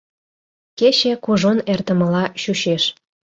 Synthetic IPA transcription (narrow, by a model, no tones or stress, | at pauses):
ket͡ɕĕkuʒonert̪ə̆mə̆lɑɕuɕeʃ